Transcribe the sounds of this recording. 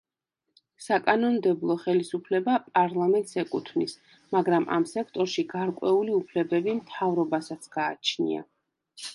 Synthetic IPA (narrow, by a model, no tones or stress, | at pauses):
sakʼanɔnd̪ɛblˠɔχɛlisupʰlɛbapʼaɾlˠamɛnt̪ʼsɛkʼut̪ʰvnis | maɡɾamʔa̰msɛkʰt̪ʼɔɾʃiɡaɾkʼwɛuliupʰlɛbɛbimt̪ʰavɾɔbasat̪sʰɡ̥aːt͡ʃʰnḭa̰